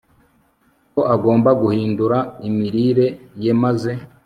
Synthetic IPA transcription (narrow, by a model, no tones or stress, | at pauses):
koʔaɡo̞ːmbaɡuhiːnduɾaimiɾiɾe̞jemaze̞